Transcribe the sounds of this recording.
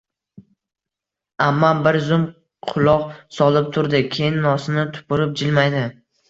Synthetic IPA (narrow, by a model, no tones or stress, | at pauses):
amːanbɪɾzʊm | qʰʊlˠɒqsɒlˠɪp̚t̪ʰʊɾd̪ɪkʲʰejɪnːɒsɪnɪt̪ʰʊ̥pʊɾɪp̚d͡ʒɪlmajd̪ɪ